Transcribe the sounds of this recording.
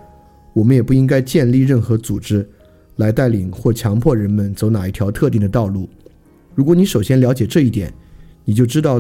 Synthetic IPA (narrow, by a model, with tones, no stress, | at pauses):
wɔ˨˩mə˦njɛ˨˩pu˥˩i˥ŋka˥ɪt͡ɕjɛ˥˧nli˥˧ɻə˥˩nxɤ˧˥t͡su˨˩ʈ͡ʂɻ̩˥ | la˧˥ɪt̪a˥˩ɪli˨˩ŋxwɔ˥˩t͡ɕʰjɑ˧˥ŋpʰwɔ˥˩ɻə˧˥nmə˨nt͡so˧˥ʊna˨˩i˥˩t̪ʰjɑ˧˥ʊt̪ʰɤ˥˧t̪i˥˩ŋd̪ə˩t̪ɑ˥˧ʊlu˥˩ | ɻu˧˥kwɔ˧˥ni˧˥ʂo˨˩ʊɕjɛ˥nljɑ˧˥ʊt͡ɕjɛ˨˩ʈ͡ʂɤ˥˧i˥˩t̪jɛ̰˨˩˦nni˨˩t͡ɕjo˥˩ʊʈ͡ʂɻ̩˥t̪ɑ˥˩ʊ